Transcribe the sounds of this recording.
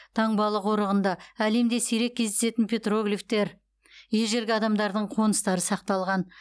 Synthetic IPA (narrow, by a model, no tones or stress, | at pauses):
t̪ʰɑɴbɑlˠəqoɾəʁənd̪ɑæle̞md̪e̞sijɾe̞k̚ʲʰːe̞zd̪ese̞t̪ɪnpʰʲe̞t̪ro̞ɡlʲift̪e̞ɾ | jeʒe̞ɾɡʲɪɑd̪ɑmd̪ɑɾd̪əɴqʰo̞nəst̪ɑɾəsɑq̚t̪ɑlˠʁɑn